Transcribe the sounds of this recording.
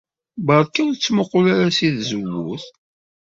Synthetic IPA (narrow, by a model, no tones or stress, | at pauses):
bɑɾˤkːiwðt͡sːməqːʊlaɾasiðzəwːʊ̰θ